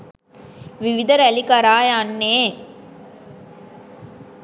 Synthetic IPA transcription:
ʋiʋid̪ɐɾɐlikɐɾaːjanːeː

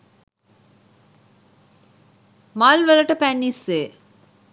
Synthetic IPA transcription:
malʋələʈəpænːisʋeː

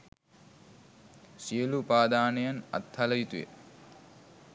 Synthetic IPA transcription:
sijəlupaːd̪aːnejana̰t̪haləjit̪ujḛ

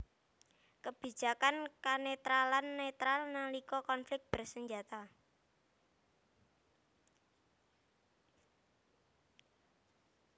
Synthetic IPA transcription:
kəb̥i̤̥d͡ʒ̥a̤kankanet̪ɾalanːet̪ɾalnalikɔkɔnflɪk̚b̥ərsəɲd͡ʒat̪a

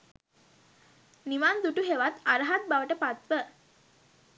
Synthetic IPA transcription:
niʋand̪uʈuɦeʋat̪aɾəɦat̪̚baʋəʈəpat̪ʋə

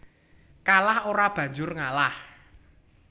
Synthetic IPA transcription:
kalahoɾab̥ä̤ɲd͡ʒʊrŋalah

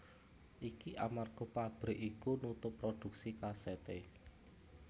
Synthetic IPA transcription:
ʔikiʔamarɡopab̥ɾ̤ʔikunut̪ʊpːɾod̪̥ṳk̚sikaset̪e

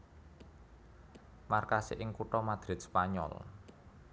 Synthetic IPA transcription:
markasɪ̰ʔɪŋkuʈɔmad̪̥ɾɪ̤t̪̚spaɲɔ̰l

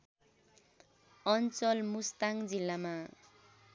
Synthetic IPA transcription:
ʌnt͡sʌlmust̪aŋd͡zilːama

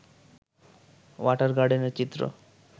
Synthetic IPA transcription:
ʋaʈəɾɡaɽinet͡ɕit̪ɾo̰

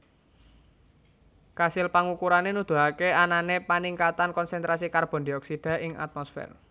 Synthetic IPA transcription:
kasɪlpaŋukuɾanenud̪̥ṳɦakeananepaniŋkat̪ankɔnsɛnt̪ɾasikarb̥ɔ̤nd̪iɔksid̥a̤ʔɪŋa̰t̪̚mɔsfɛ̰r

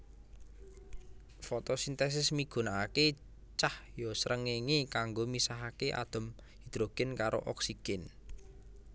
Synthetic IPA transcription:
fɔt̪osint̪ɛs̬ɪsmiɡ̥ṳnaake | t͡ʃahjɔsəɾʔəŋeŋikaŋɡomisaɦakeʔa̰d̪̥ə̤m | hid̪̥ɾoɡ̥ɛnkaɾʔo̰ʔɔksiɡ̥ɛn

